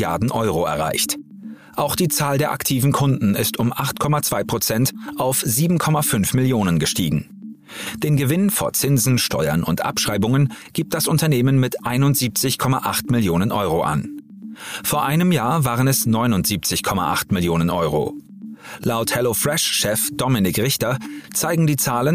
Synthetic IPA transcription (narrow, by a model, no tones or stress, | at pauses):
jaɐdn̩ʔɔʏʁ̞oɛ̰ɐʁa̰ɪçt | ʔaʊxd̥iːt͡saːldeːɐʔa̰ktʰiːvn̩kʰʊndn̩ɪstʊmʔaχtkʰɔmat͡sv̥aɪpʁ̥ot͡sɛntʔaʊfz̥iːbm̩kʰɔmafʏnfmɪljoːnənɡəʃtiːɡŋ̩ | d̥eːnɡəvɪnfoːɐt͡sɪnzn̩ʃtɔ̰ʏɐ̰nʊ̰ntʔa̰pʃʁ̥aɪbʊŋənɡ̥iːp̚t̚d̥asʊntɐneːmənmɪtʔaɪnʊntz̥iːp̚t͡sɪçkʰɔma̰ʔaχtmɪljoːnənʔɔʏʁoʔa̰n | foːɐʔaɪnəmjaːɐvaːʁənɛsnɔʏnʊntz̥iːp̚t͡sɪçkʰɔma̰ʔa̰χtmɪljoːnənʔɔʏʁo̰ | laʊthɛlofʁɛʃʃɛfd̥ɔmɪnɪkʁɪçtɐt͡saɪɡŋ̩diːt͡saːlən